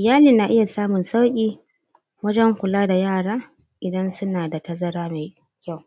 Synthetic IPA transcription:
ʔʔɪ˨jaː˦liː˨na˨ʔɪ˦ja˨saː˦mʊ˨nsa˦wkʲʼiː˦ | wɐ˦d͡ʒɛ˦ŋkʷʊ˨laː˦da˨jaː˦˨ɽaː˦ | ʔɪ˨dɐ˦nsʊ˦naː˨da˨tɐ˦zɐ˦ɾaː˦meː˨ | kʲa˦˨w

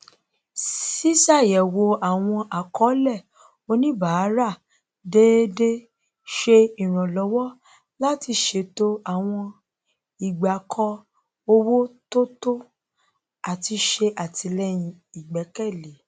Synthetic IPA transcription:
si˦sa˦˨jɛ˨wo˧a˨w̃ɔ̃˧ʔa˨kʰɔ˨˦lɛ˦˨ | o˧nĩ˦ba˨˦ɾa˦˨ | de˦de˦ | ʃe˧i˨ɾ̃ã˨lɔ˨˦wɔ˦ | la˦ti˧ʃe˨˦˨to˦a˦˨w̃ɔ̃˧ | i˨ɡ͡ba˨kʰɔ˧ | o˧wo˦to˦to˦ | a˨ti˧ʃe˧ʔa˨tʰi˨˧lɛ˦j̃ĩ˧i˨ɡ͡bɛ˨˦kɛ˦˨le˨˦

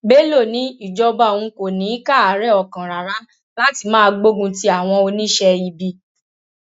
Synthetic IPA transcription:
be˦lo˦˨nĩ˨˦i˦˨d͡ʒɔ˧ba˧˦˨ũ˧ko˨nĩ˨˦ka˦˨a˨˦ɾɛ˦˨ɔ˨kã˨ɾa˨ɾã˨˦ | la˦ti˧mãː˦˧ɡ͡bo˦ɡũ˧ti˦a˨w̃ɔ̃˧o˧nĩ˦ʃɛ˧i˧bi˧

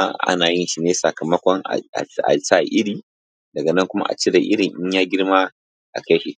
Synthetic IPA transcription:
ʔa̰˦naː˨jɪ˦nʃi˨neː˦sɐ˨kɐ˨mɐ˦kʷɔ˦ŋa̰˨a̰˨a̰˨sa˦˨ʔɪ˦ɽiː˨ | dɐ˨ɡɐ˨nɐ˦ŋkʷʊ˦ma̰˦ʔa̰˨t͡ʃe˦da˨ʔɪ˦ɽɪ˨ŋʔɪ˦ɲjaː˦ɡʲɪ˦rmaː˦ | ʔa̰˨ka˦ʃi˦˨

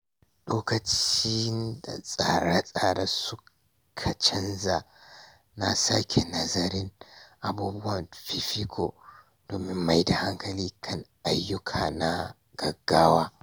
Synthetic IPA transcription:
loː˦kɐ˨t͡ʃiː˦nda̰˨sʼa˨ɾa˦sʼaː˨ɾa˦sʊ˦ | kʰɐ˨t͡ʃɪ˦nza˨ | na˦sa̰˦kʲʰe˨nɐ˦zɐ˦ɾɪ˦nʔa˨buː˦bʊ˦wɐ˨mɸi˦ɸi˦kʰo̰˨ | doː˨mɪ˦mːa˦jda˨ha˦ŋkʰɐ˨liː˦kʰɐ˦nʔa˨jːʊ˦kʰaː˨na˦ | ɡ̥ɐ˨ɡːaː˦waː˦

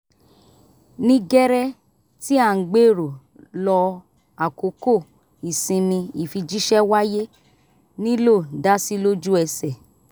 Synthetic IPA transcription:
nĩ˧ɡɛ˦ɾɛ˦ | ti˦a˦˨ŋ̩˨ɡ͡be˦˨ɾo˨ | lɔ˧ | a˨ko˨˦ko˦˨ | i˨sĩ˧nĩ˧i˨fi˧d͡ʒi˦ʃɛ˦wa˦je˦ | nĩ˦lo˦˨da˦si˦lo˦d͡ʒu˦ɛ˧sɛ˨

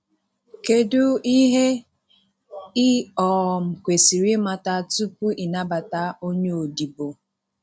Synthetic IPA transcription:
ke˦dʊ˦i˦ɦe˦ | ɪ˦ɔ˨m̩˨kʷe˨si˨ɾi˦ma˨ta˨tu˦pu˦i˨na˦ba˨ta˦o˦ɲe˦o˨di˨bo˨

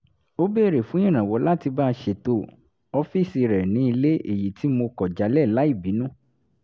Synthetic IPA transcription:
o˦beː˦˨ɾe˨fũ˨˦ĩ˦˨ñã˨wɔ˨˦la˦ti˧ba˦˧ʃe˨to˧ | ɔ˧fi˦˨si˧ɾɛ˨nĩ˨˦i˧le˦ḛ˨ji˨ti˨˦mo˧kɔ˨d͡ʒa˨˦lɛ˦˨la˨˦i˦˨bi˨˦nũ˦

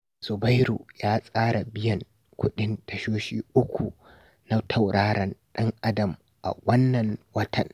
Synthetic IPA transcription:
sʊ˨ba˦jɾuː˨jaː˦sʼaː˦ɽa˨bɪ˦jɐ˨ŋ | kʷʊ˦ɗɪ˦ntʰɐ˨ʃoː˦ʃiː˦ʔʊ˦kʷu˨ | na˦tʰa˦˨wɽaː˦ɽɐ˨nɗɐ˦ŋʔa˦dɐ˨m | ʔa̰˨wɐ˦nːɐ˨nwɐ˦tʰɐ̰˨n

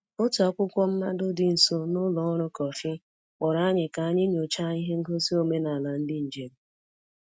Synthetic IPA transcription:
ʊ˦tɔ˦kʷʊ˦kʷɔ˦m̩˦ma˦dʊ˦dɪ˨n̩˨so˦nʊ˦lɔ˨˦ɾʊ˦kɔ˨fɪ˦ | k͡pɔ˨ɾa˦ɲɪ˨ka˨a˦ɲɪ˦ɲo˨t͡ʃa˦i˦ɦe˦ŋ̩˦ɡo˦si˦o˨me˦na˨la˨n̩˦dɪ˦n̩˨d͡ʒe˨ɾ̩˨˦

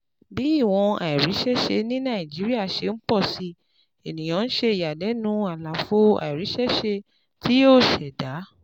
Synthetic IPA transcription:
bi˨˦i˦˨w̃ɔ̃˧a˨i˨ɾi˨˦ʃɛ˦ʃe˧nĩ˦nã˦˨i˨d͡ʒi˨˦ɾi˦a˦˨ʃe˧n̩˦k͡pɔ˦˨si˧ | e˨nĩ˨j̃ã˨˧n̩˦ʃe˧i˨ja˨dɛ˨˦nũ˦a˨la˨fo˦a̰˨i˨ɾi˨˦ʃɛ˦ʃe˧ | tʰi˦o˦˨ʃɛ˨da˨˦

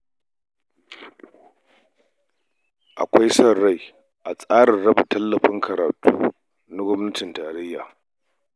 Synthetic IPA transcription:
ʔa̰˨kʷa˦jsɐ˨ra˦j | ʔa˨sʼaː˦ɽɪ˨nɽɐ˦bʊ˨tɐ˦lːɐ˨ɸɪ˦ŋkɐ˨ɾa̰ː˨tuː˦ | na˦ɡʷɐ˦mnɐ˦tɪ˨ntaː˨ɾɐ˦jːa̰ː˨

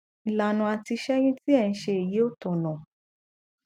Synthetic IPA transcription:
i˨la˨nũ˧a˧ti˧ʃɛ˦jĩ˦ti˦ɛ˦˨ñ̩˦ʃe˧e˨ji˨˦o˦tɔ̃˨lɔ̃˨

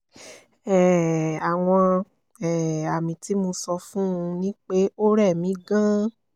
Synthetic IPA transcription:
ɛ˨a˨w̃ɔ̃˧ | ɛ˨a˨mĩ˧ti˨˦mo˧sɔ˧fũ˦˧nĩ˦k͡pe˦o˦ɾɛ˦˨mĩ˨˦ɡã˦

